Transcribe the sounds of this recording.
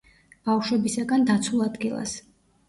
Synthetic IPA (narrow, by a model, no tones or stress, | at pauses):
b̥afʃwɛbisaɡand̪at̪sʰulˠad̪ɡilˠa̰s